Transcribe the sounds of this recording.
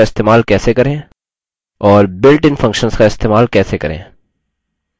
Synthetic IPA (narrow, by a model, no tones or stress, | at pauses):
aɪst̪eːmaːlkɛːsekɐɾẽː | ɔːɾbɪlʈɪ̃nfɐ̃ŋkʃənskaɪst̪eːmaːlkɛːsekɐɾḛ̃ː